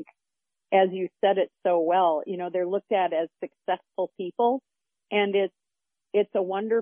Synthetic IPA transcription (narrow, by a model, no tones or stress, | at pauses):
k | ʔɨzjɨsɛɾɪtsoʊwɛlˠjɨnoʊðə˞lʊk̚tɨɾɨz̥sɨksɛsfl̩ˠpʰipl̩ˠ | ʔɨ̃nɪts | ɪtsəwʌ̃ndə˞